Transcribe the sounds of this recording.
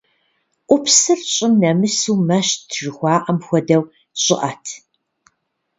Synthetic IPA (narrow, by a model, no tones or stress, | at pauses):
ʔʷʊpʰsɨrɕʼɪmnɐmɨsuːmɐʃtʰʐɨxʷɑːʔɐmxʷɔdɐw | ɕʼɪʔɐtʰ